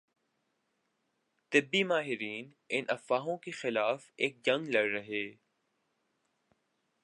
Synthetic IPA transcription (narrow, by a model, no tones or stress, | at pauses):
t̪ɪbːimaːɦɪɾiːn | ɪnʔɐfːaːɦõkexɪlaːfeːk̚d͡ʒɐ̃ŋɡlɐɽːɐɦeː